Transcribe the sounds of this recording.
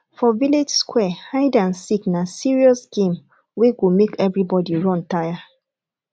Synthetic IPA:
fɔviled͡ʒskwɛhaɪdãnsiknasiɹiɔsɡ̥ẽm | weɡumekɛvɹibɔdiɹɔ̃ntaja

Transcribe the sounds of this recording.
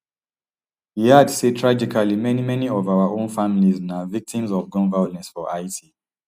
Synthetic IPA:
hiadsetʰɹad͡ʒikʰalimɛnimɛniɔvaʊaʔõnfamiliznavik̚tĩmzɔvɡɔ̃nvalɛ̃nsfɔʔaɪtʰi

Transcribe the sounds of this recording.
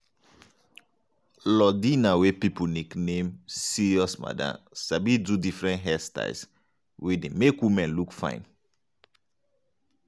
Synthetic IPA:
lɔdinawepipuniknẽmsiɹiɔsma̰dã̰ | sabidudifɹɛ̃nɦɛsta̰s | wedemekwimɛ̃nlukfã̰ɪ̃n

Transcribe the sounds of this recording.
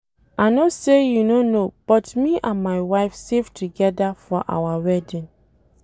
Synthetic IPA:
anosejunonob̥ɔtmiʔãnmajwaɪfsevtʰuɡɛdafɔʔa̰waɹɛdĩn

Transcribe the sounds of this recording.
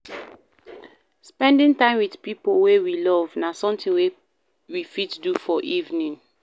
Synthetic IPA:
spɛ̃ndĩŋtãɪ̃mwidpipowewilɔvnasɔ̃mtĩnwe | wifitdufɔʔivnĩŋ

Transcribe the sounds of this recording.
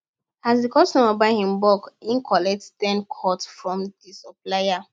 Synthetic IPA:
hazdikɔsnɔ̃mabaɪhĩmbɔkĩnkʰɔlɛkttɛ̃nkʰɔtfɹɔ̃mdisɔplaɪa

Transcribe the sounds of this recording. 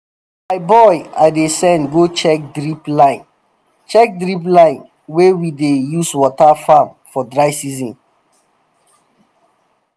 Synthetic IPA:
maɪbɔjaɪdesɛ̃nɡot͡ʃɛk̚dɹiplãɪ̃n | t͡ʃɛk̚dɹiplãɪ̃n | wewidejuswɔtafãm | fɔdɹaɪsizɔ̃n

